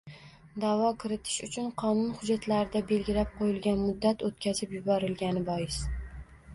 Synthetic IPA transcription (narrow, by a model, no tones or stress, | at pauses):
d̪avɒkʰɪɾɪt̪ʰɪ̥ʃʊt͡ʃʰʊnqʰɒnʊnhʊd͡ʒːat̪laɾɪd̪abe̞lɡʲɪlap̚qʰojɪlɡʲanmʊd̪ːat̪ot̪̚kʲʰazɪpjʊbɒɾɪlɡʲanɪbɒjɪs